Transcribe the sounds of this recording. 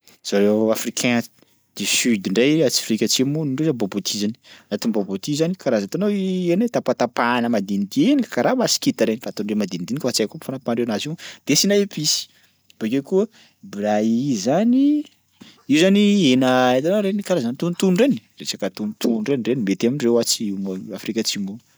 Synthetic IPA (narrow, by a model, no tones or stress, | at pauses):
z̥aɾeafrikʰɛ̃ | d̪̥esyd̪iɳɖ͡ʐajat͡si̥fɾikʲat͡simuniɳɖ͡ʐozabobot̪ʰizaninat̪inbobot̪izanikaɾazat̪anoenat̪apat̪apanəmad̪inid̪eni̥kaɾamasi̥kʲit̪aɾenifat̪onɖ͡ʐemad̪ind̪inikəfat͡sajkupfanapanɖ͡ʐewanazid̪̥esinajepisi̥ | b̥ekʲekuə | blaizani | iuzanienəet̪anoɾenikaɾazanit̪unit̪unuɳɖ͡ʐeni̥ret͡ʃakət̪unit̪ʰuɖ͡ʐeniɳrenimet̪aminrewat͡siimoafrikʲat͡ʃimun